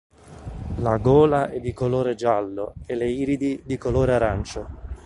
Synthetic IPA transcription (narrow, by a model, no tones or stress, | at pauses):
laɡɔːlaʔɛd̪ːikoloːɾed͡ʒalːʊeleiːɾid̪id̪ikoloːɾeaɾant͡ʃʊ